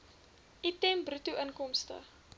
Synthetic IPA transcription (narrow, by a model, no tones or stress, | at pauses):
ʔitɛmbrutuʔənkɔmstə̰